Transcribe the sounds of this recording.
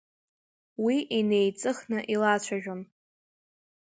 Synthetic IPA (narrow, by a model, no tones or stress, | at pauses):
wiʔine̞jt͡sʼɨχnɨʔilat͡ɕʷʰaʒᶣom